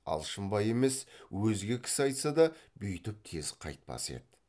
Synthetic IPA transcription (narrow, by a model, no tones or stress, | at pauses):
ɑ̰lˠʃəmbɑje̞me̞swɵzɡʲe̞kʲʰɪ̥sɪɑjt̪sɑd̪ɑbʏjt̪ɪp̚t̪ʰe̞zqʰɑ̰jt̪̚pɑ̰se̞̰d̪